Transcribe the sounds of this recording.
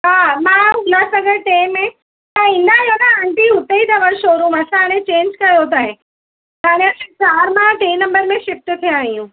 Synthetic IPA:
ɦaːmãɦʊlasɐɡəɽʈeːmːẽ | t̪ɐĩːnd̪aijonaãɳʈiɦʊt̪eit̪aʋɐɽʃoːɾũːmɐsãɦaɽ̃ẽt͡ɕẽːnd͡ʒkɐjot̪̬aːɦɪ̃ | t̪aːɽ̃ẽɐsãt͡ɕaːɾmãʈẽːĩnɐ̃mbəɾmẽʃɪft̪t̪ʰijãːijũ

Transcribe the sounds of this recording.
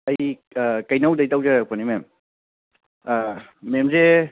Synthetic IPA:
ɐjkɐjnawdɐjtawzaɾak̚panimem | memze

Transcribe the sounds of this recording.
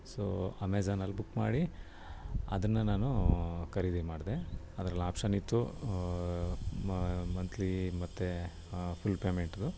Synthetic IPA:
so̰ːɐmeːd͡ʒaːnɐlːbukːma̰ːɽi | ɐ̰d̪ɐnːɐnaːnukɐɾid̪imaːɖd̪eɐd̪ɾɐlːaːpʂɐnit̪ːu | mɐnt̪ʰlimɐt̪ːe | pʰulːpeːmeɳʈd̪u

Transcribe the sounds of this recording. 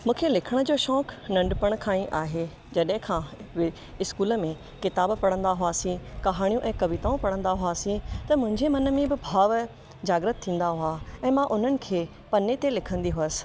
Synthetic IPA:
mũːkʰelɪkʰəɽ̃əd͡ʑoːʃɔːknɐ̃ɳɖpəɽ̃kʰaːĩʔaːɦe | d͡ʑɐɗɦɪ̃kʰã | ɪskuːləmẽ | kɪt̪aːbpɐɽ̃ə̃n̆d̪aɦʊaːsĩkɐɦaːɽ̃ijũʔɛ̃ːkɐʋit̪aːũpɐɽə̃n̆d̪aɦʊaːsĩt̪ɐmʊ̃ɦɪ̃ɲd͡ʑemɐnəmẽbɪbʱaːʋ | d͡ʑaːɡɾət̪ʰːĩːn̆d̪aɦʊaɛ̃ːmãʔʊn̤ənɪ̆kʰeː | pɐnet̪elɪkʰə̃nd̪iɦʊəsɪ̥̆

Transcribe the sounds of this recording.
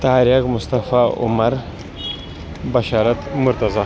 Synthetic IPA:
t̪aɦaɾjakmust̪ɐfaṵmɐɾ | bɐʃaːɾɐt̪mʊɾt̪ɐza

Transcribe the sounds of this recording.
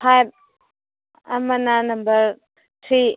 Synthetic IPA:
pʰajb̚ | ɐ̰mananɐmbəɾ | tʰɾi

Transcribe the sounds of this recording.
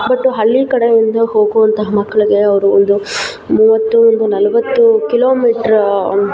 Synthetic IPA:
bɐʈːuɦɐɭːikɐɽeind̪ɐɦo̞ːɡuʋɐnt̪ɐɦɐmɐkːɐɭiɡe̞ɐʋɐɾuond̪u | muːʋɐt̪ːuond̪unɐlɐʋɐt̪ːukiloːmiːʈɐɾ

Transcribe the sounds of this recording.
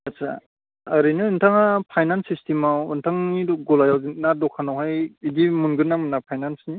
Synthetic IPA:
asa̰ː | ɾɯnɯːntʰaŋapʰajnansistimawɯntʰaŋnidɔɡɔlajawzinadɔkʰanawhajidimunɡɯnamɯnapʰajnansni

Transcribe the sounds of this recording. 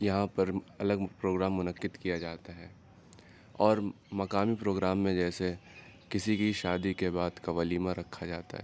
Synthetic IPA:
jɐɦãpɐɾɐləɡpɾoːɡɾaːmːʊnəkɪd̪kijad͡ʒaːt̪aɦɛː | ɔːɾ | mɐkaːmipɾoːɡɾaːmːẽd͡ʒɛːsekɪsikiʃaːd̪ikebaːd̪kaʋaliːmãɾɐkʰːad͡ʒaːt̪a̰ɦɛ̰ː

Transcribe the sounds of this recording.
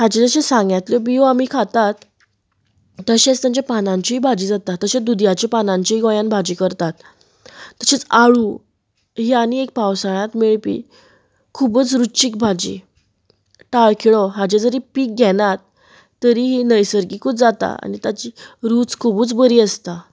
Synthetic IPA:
had͡ʑed͡zəɕesãŋɡjat̪ljɔbioamikʰat̪at̪ | əɕẽt͡st̪jãɲt͡ɕapanãɲt͡ɕiɦiːbʱad͡ʑiːd͡zat̪at̪ːəɕed̪ud̪jat͡ɕepanãɲt͡ɕiɦiɡõjãnbʱad͡ʑiːkəɾt̪at̪ː | əɕet͡saɭu | ɦiañiek̚pawsaɭ̃at̪meɭpḭ | kʰubət͡sɾut͡ɕik̚bʱad͡ʑḭ | ʈaɭkʰiɭɔɦad͡ʑed͡zəɾipiːk̚ɡɛnat̪ː | əɾiɦinəjsəɾɡikʰut͡sd͡zat̪a̰a̰nit̪at͡ɕiɾut͡skʰubuːt͡sbəɾiːəst̪a

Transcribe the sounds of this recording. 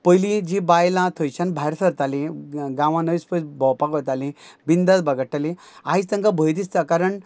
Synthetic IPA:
pəjlid͡ʑibajlãt̪ʰojt͡ɕanbʱajɾsʰəɾt̪alĩɡãʋãnəʋispəsbɔwpakɔt̪alĩbind̪at̪bəɡəʈːali | aɦit̪ə̃ŋɡabʱəjt̪̬ist̪akaɾəɳ

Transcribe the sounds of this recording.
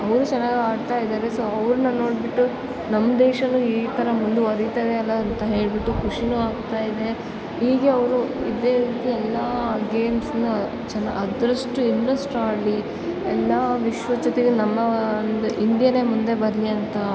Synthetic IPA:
ɐʋɾut͡ʃɛnːaːɡaːɖt̪aːjid̪aːɾeso̞ːɐʋɾunːɐno̞ːɽbiʈːu | nɐmːɐd̪eːʃɐnuiːt̪ɐɾɐmund̪uɐɾit̪ɐʋeɐlːɐːnt̪ɐɦe̞ːɭbiʈːukuʂinuːaːɡ̚t̪aːjid̪e̞ | ɦiːɡe̞ɐʋɾuid̪e̞ːɾiːt̪iɛlːɐɡe̞ːmsnu | t͡ʃɐnːɐʔɐd̪ɾɐʂʈuinɾɐsʈaːɖli | ɛlːɐʋiʃʋɐt͡ʃɐt̪eɡenɐmːɐnd̪uʔind̪ijɐne̞ːmund̪e̞bɐɾliɐnt̪ɐ

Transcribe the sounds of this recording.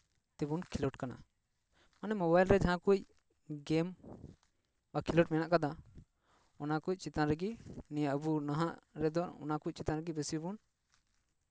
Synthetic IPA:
t̪ɛbunkʰilɔʈkana̰ | manɛmɔbajlɾɛd͡ʒaɦãkuc̚ | ɡɛm | bakʰilɔʈ̚mɛnaʔkad̪a | ɔnakuc̚ˀt͡ʃit̪ãnɾɛɡinɛjaʔəbunaɦaʔɾɛd̪ɔɔ̰nakuc̚ˀt͡ʃit̪ãnɾɛɡibɛsiibun

